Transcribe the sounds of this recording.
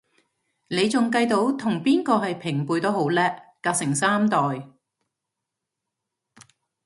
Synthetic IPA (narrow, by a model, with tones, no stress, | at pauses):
ne˨˧jt͡sʊ˨ŋkɐ˧jt̪o˨˥wt̪ʰʊ˨˩ŋpiː˥nkɔː˧ɦɐ˨jpʰɪ˨˩ŋpuː˨jt̪o˥who˨˥wlɛː˥ | aː˧k̚sɪ˨˩ŋsaː˥mt̪ɔː˨j